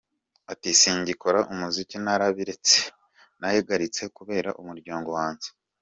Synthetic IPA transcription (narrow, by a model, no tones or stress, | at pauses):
atisiːɲɟikoɾaʔumuzicinaɾaβiɾe̞t͡se̥ | nahiɡaɾit͡se̞kuβe̞ːɾa̰ʔumuɾɟaːŋɡo̞waːnze̥